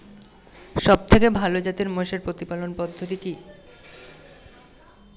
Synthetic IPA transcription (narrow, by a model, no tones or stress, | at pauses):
ʃɔb̚t̪ʰekebʱalod͡ʑat̪iɾmoʃeɾpɾot̪ipalonpɔd̪ʱːot̪iki